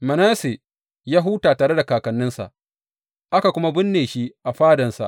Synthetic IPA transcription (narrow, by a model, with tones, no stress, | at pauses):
mɐ˨naː˦se˨ | jaː˦ɦʊ˦taː˨taː˨ɾɽe˦da˨kaː˨kɐ˨nːɪ˦nsa̰˨ʔ | ʔa˦ka˨kʷʊ˦ma˦bɪ˦nːeː˨ʃi˦ʔa˨ɸaː˦dɐ˨nsa̰˨ʔ